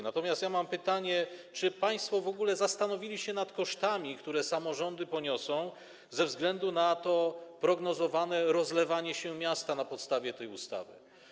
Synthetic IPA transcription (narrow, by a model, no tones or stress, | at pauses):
nat̪ɔmʲjast̪jamampɘt̪aɲɛt͡ʂɘpaj̃st̪fɔvɔɡulɛzast̪anɔvʲilʲiɕɛnat̪kɔʂt̪amʲikt̪uɾɛsamɔʐɔnd̪ɘpɔɲɔsɔ̃w̃ | zɛvzɡlɛnd̪unat̪ɔpɾɔɡnɔzɔvanɛɾɔzlɛvaɲɛɕɛmʲjast̪anapɔt̪st̪avʲjɛt̪ɛjust̪a̰vɘ̰